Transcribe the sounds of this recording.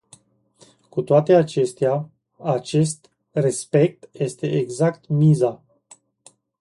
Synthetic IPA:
kut̪oat̪e̞at͡ʃe̞st̪ea | at͡ʃe̞st̪ | re̞spe̞k̚t̪je̞st̪e̞ʔeɡzakt̪miza

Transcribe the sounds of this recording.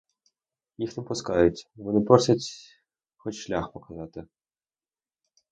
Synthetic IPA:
jixnɪpʊskɑjʊtʲʋɔnɪpɔrsʲɐtʲ | xɔt͡ʃʃlʲaxpɔkɐzɑt̪ɪ

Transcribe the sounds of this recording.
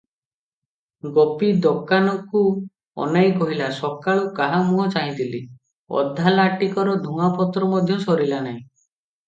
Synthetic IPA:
ɡɔpid̪ɔkanɔku | ɔ̰najkɔɦilasɔkaɭukaɦamuɦɔt͡ʃaĩt̪ili | ɔ̰d̪ʱːalaʈikɔɾɔd̪ʱuŋapɔt̪ɾɔmɔd̪ʱjɔsɔɾilanaɦĩ

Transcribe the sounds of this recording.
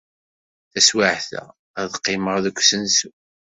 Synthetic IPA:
θæswaʕθæ̰ | æðqːɪməʁðəkʷːsənsu

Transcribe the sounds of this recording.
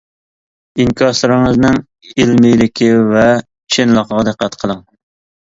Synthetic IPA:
iŋkʲʰɑʃlˠɨɾɨŋəznɨŋ | ɪlmɪjlɪkʲʰɪvɛ | t͡ʃʰɪnlˠəqʰəʁɑd̪əqːæt̪qʰəlˠəŋ

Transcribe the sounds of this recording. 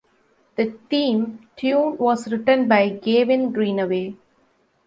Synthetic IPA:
d̪̥ət̪ĩːmʈʰjũːnʋɔːzɾɪʈə̃nbaɪɡeːʋɪ̃nɡɾĩːnəʋeː

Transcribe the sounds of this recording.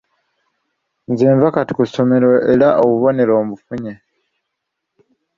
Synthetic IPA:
nzeːɱvakati̥kuso̞me̞ɾo̞e̞ɾaʔoβuβo̞ne̞ɾo̞ːmβufuɲe

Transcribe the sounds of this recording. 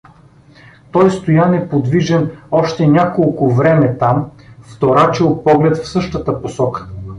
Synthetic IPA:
t̪ɔjst̪ojanɛpod̪viʒɛnɔʃt̪ɛnʲakolˠkʊvɾɛmɛt̪amft̪oɾat͡ʃɛlˠpɔɡlɛt̪fsɤʃt̪ət̪əposɔkə̥

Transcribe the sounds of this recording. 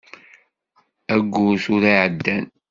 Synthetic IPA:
æɡʷːuθʊɾiʕəd̪ːæn

